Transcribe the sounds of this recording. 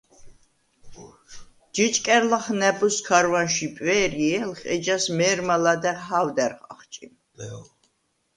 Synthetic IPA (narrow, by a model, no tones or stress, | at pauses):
d͡ʒit͡ʃʼkʼɛɾlaχnɛbuskʰaɾvanʃipʼwɛːɾiɛlχɛ̰d͡ʒasmɛːɾmalad̪ɛɦawd̪ɛɾχa̰χt͡ʃʼi